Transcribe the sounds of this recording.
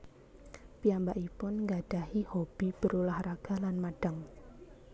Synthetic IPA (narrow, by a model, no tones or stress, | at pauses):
piambaʔipʊnŋɡaɖ̥a̤hihob̥i̤b̥əɾulahraɡ̥a̤lanmaɖ̥aŋ